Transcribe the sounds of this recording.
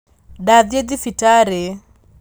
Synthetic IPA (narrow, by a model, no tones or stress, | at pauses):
daðjed̪ɪfitaɾe